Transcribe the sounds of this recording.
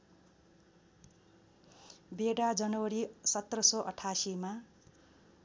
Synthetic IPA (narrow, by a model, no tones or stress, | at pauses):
beɽad͡zʌnʌwʌɾisʌt̪rʌsʌʔʌʈʰasima